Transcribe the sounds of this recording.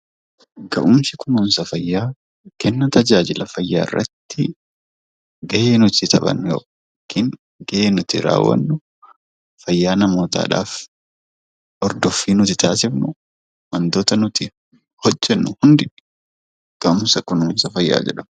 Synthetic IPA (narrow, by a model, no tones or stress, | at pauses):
ɡɐʔʊmsɪkʊnuːnsɐfɐjːaː | kɛnːɐt̪ɐd͡ʒaːd͡ʒɪlɐfɐjːa̰ːɪ̰rːɐ̰t̪ːɪ | ɡɐʔeːnʊt̪ɪt̪ʰɐɓɐ̰njoː | kɪŋ | ɡɐʔeːnʊt̪ɪɾa̰ːwːɐ̰nːʊ | fɐjːaːnɐmoːt̪a̰ːᶑa̰ːf | ʔɔɾd̪ɔfːiːnʊt̪ɪt̪ʰaːsɪfnʊ | mɐnd̪oːt̪ɐnʊt̪ɪ | hɔd͡ʒːɛnːʊhʊnd̪ɪ | ɡ̥ɐʔʊmsɐkʊnuːnsɐfɐjːa̰ːd͡ʒɛ̰ᶑɐm